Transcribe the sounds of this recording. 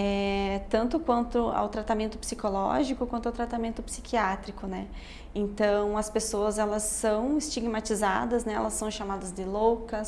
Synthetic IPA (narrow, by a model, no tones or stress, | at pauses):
ɛt̪ɐ̃nt̪ʊkwɐ̃nt̪ʊa̰wt̪ɾat̪amẽnt̪ʊpsikolɔ̰ʒikʊkwɐ̃nt̪ʊawt̪ɾat̪amẽnt̪ʊpsikʰiat̪ɾikʊnɛ | ẽnt̪ɐ̃w̃ɐspesoɐzɛlɐsːɐ̃w̃ɪst͡ʃiɡmat͡ʃiza̰d̪ɐznɛɛ̰lɐsːɐ̃w̃ʃamad̪ɐzd̪ɪlowkɐ